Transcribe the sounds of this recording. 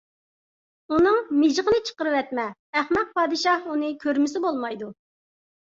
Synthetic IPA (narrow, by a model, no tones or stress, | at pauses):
unɨŋmɪʒʁənɨt͡ʃʰə̥qəɾɨwɛt̪mɛːχmɛq̚pʰɑːd̪ɨʃɑhunɨkʲʰøɾmɪsɪbolˠmɑjd̪u